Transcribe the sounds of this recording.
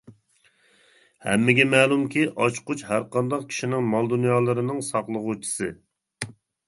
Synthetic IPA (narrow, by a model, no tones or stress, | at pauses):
hɛ̰mːɪɡʲɛmɛːlˠumkʲʰiʔɑt͡ʃqʊt͡ʃhæɾqɑnd̪ɑqkʲʰi̥ʃinɪŋmɑlˠd̪unjɑːlˠɨɾɨnɨŋsɑχlˠəʁut͡ʃʰi̥sɨ